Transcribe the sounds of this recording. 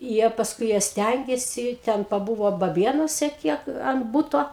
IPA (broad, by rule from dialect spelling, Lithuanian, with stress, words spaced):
ˈjiɛ pɐsˈkʊɪ ˈjiɛ ˈsʲtʲæŋʲɡʲeːsʲɪ ˈtʲɛn pɐˈbʊʋoː bɐˈbʲeːnuɔsʲɛ ˈkʲiɛk ɐn ˈbʊtoː